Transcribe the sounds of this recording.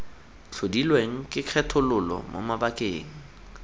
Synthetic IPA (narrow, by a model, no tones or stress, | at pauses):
t͡ɬʰodilweŋ̩kʼɪq͡χʰɛtʰʊlʊlɔ̰mo̰mabakʼeːŋ̩